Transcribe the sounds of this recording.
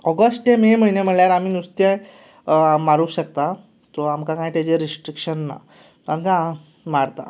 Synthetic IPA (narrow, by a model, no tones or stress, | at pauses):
ɔɡəsʈemiməɦinem̤əɳljaɾamiːnust̪je | maɾuːɕəkt̪a | t̪ɔamkakãj̃t̪ad͡ʑeɾisʈɾikɕənːa̰ | t̪amt̪a | maɾt̪a̰